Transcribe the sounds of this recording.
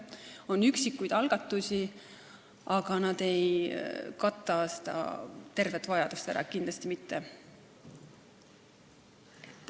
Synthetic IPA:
o̞nːyksikːujd̪̥ɑlɡ̥ɑt̪ːˑusʲi | ɑɡ̥ɑnɑd̪̥e̞jkɑt̪ːˑɑse̥d̪ɑ̰t̪e̞rve̞t̪ːˑvɑjɑd̪̥ust̪æ̰ɾɑ̰kind̪lɑst̪imit̪ːe | e

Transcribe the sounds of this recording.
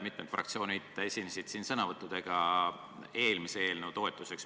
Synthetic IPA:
mit̪med̪frɑ̰k̚t̪sio̞ːnʲidt̪ːe̞sʲinesʲid̪̥siːnsɤnɑvɤt̪ˑːud̪̥e̞ɡ̥ɑ | e̞ːlmisee̞ːlnewt̪o̞e̞t̪ːˑuse̞ks

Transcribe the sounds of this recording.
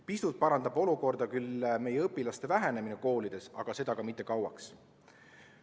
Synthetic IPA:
pist̪ult̪̚pɑɾɑnd̪ɑbo̞luko̞rd̪̥ɑkylme̞jeɤpːˑilɑst̪e̞væɦene̞mineko̞ːlid̪̥e̞sɑ̰ɡ̥ɑse̞d̪̥ɑkɑmit̪ːˑe̞kɑwɑ̰ks

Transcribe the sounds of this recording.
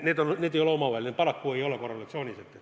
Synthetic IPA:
net̪onnet̪eijolomɑʋɑilʲnepɑlɑkːueiolːɑkorɑlet̪seoniset̪ːe

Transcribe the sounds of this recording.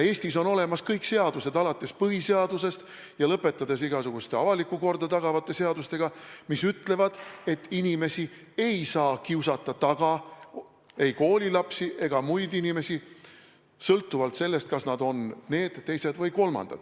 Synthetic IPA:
e̞ːst̪iso̞no̞le̞mɑskɤjkse̞ɑd̪̥use̞d̪ɑlɑt̪ːˑe̞spɤɦise̞ɑd̪use̞st̪ | jɑlɤpːˑe̞t̪ːˑɑd̪̥esiɡ̥ɑsuɡ̥ust̪e̞ɑvɑlikːˑuko̞rd̪ɑt̪ɑɡ̥ɑvɑt̪ˑːe̞seɑd̪ust̪e̞ɡ̥ɑmisyt̪ːle̞vɑd̪̥e̞t̪ːinime̞si | e̞jsɑːkiwsɑt̪ːˑɑt̪ɑɡ̥ɑ | e̞jko̞ːlʲilɑpsiʔe̞ɡ̥ɑmujd̪inime̞si | sɤlt̪ːˑuvɑlt̪se̞lːe̞st̪̚kɑsnɑd̪o̞nne̞ːd̪̥ːe̞jse̞d̪vɤjko̞lmɑ̰nd̪̥ɑ̰d̪̥

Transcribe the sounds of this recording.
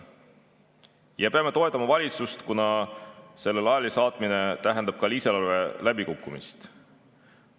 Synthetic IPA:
jɑpeɑme̞t̪o̞e̞t̪ˑːɑmɑvɑlʲit̪sust̪kunɑse̞lːe̞lɑjɑlisɑːt̪ˑmine̞t̪æɦe̞nd̪̥ɑb̥̚kɑliselɑlve̞læbikukˑːumḭst̪

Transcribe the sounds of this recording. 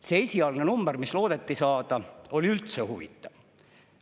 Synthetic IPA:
seesʲiɑlnenumb̥eɾmislo̞ːd̪̥e̞t̪ːisɑːd̪̥ɑo̞liylt̪se̞huvḭt̪ːˑɑv̥

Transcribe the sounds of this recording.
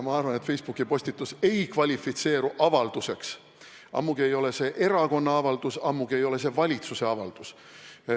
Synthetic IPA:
mɑɑrvɑnet̪fe̞jsb̥ukːˑipo̞sʲt̪it̪ːˑuse̞jkvɑlʲifːit̪se̞ːɾuʔɑvɑld̪̥use̞ks | ʔɑ̰mːuɡ̥ie̞jo̞le̞se̞ːʔe̞ɾɑko̞nːɑɑvɑld̪̥usɑmːuɡ̥ie̞jo̞le̞s̬e̞vɑlʲit̪suse̞ɑvɑld̪̥us

